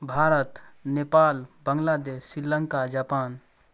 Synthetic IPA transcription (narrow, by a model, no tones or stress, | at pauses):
bʱaːɾət̪neːpaːlbəŋlad̪eːsːɪləŋkad͡ʒaːpaːn